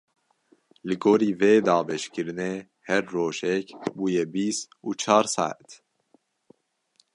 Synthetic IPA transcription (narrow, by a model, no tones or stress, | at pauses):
lɨɡoːɾiːveːd̪ɑːbɛʃkɨɾɨneː | hɛɾːoːʒɛkbuːjɛbiːst̪uːt͡ʃʰɑːɾsɑ̰ːʕ̰t̪